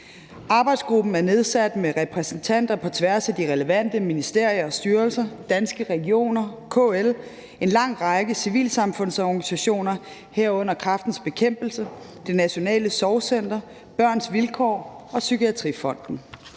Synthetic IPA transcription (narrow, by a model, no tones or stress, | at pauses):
ɑ̈b̥ɑ̈ɪd̥sɡ̥ʁub̥n̩æɐne̝ð̞ˠsæd̥meʁɛpʰʁɛsn̩t͡sʰæn̰d̥ɐpʰɒ̽t͡sʰʋæɐsæd̥iʁɛləʋæn̰d̥əminisd̥e̝ɐ̰jɐɒ̽sd̥yːɐlsɐd̥ænsɡ̥əʁɛɡio̝̰ːnɐkʰoel | e̝nlɑ̈ŋ̰ʁɑ̈ɡ̥əsiʋḭːlsɑ̈mfɔ̽n̰sɒɡnisæɕo̝̰ːnɐ | heɐ̰ɔ̽n̰ɐkʰʁɑ̈fd̥n̩sb̥e̝kʰem̰b̥l̩sə | d̥e̝næɕo̝nɛ̰ːləsɒʊsen̰d̥ɐ | b̥ɶɐ̰nsʋilkʰɒ̰ːɒ̽sykiæt͡sʰʁḭfɒ̽n̰d̥n̩